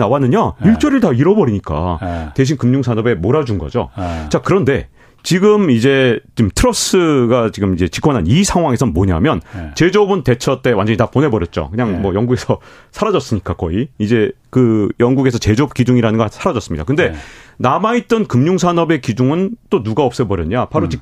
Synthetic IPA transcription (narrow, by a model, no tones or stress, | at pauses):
nawanɯɲaiɭt͡ɕ͈ʌɾiɭtaiɾʌbʌɾiɲik͈a̰te̞ɕ̬ʰinkɯmɲuŋsʰanʌbe̞moɾad͡ʑunɡʌ̰d͡ʑo̰t͡ɕakɯɾʌnde̞ | t͡ɕiɡɯmid͡ʑe̞t͡ɕimtʰɯɾʌs͈ɯɡat͡ɕiɡɯmid͡ʑe̞t͡ɕi̥k͈ʰwʌnanisʰaŋɦwaŋe̞sʰʌmoɲa̰mjʌnt͡ɕe̞d͡ʑʌbɯnte̞t͡ɕʰʌt͈e̞wand͡ʑʌɲitapone̞bʌɾjʌt̚t͡ɕ͈o̰kɯɲaŋmwʌjʌŋɡuɡe̞sʰʌ | sʰaɾad͡ʑʌs͈ɯɲik͈akʌiid͡ʑe̞ | kɯjʌŋɡuɡe̞sʰʌt͡ɕe̞d͡ʑʌp̚k͈id͡ʑuŋiɾanɯnɡasʰaɾad͡ʑʌs͈ɯmɲid̥̪a̰kɯnde̞namait̚t͈ʌnkɯmɲuŋsʰanʌbe̞kid͡ʑuŋɯnt͈onuɡaʌp̚s͈ʌbʌɾjʌɲapaɾot͡ɕik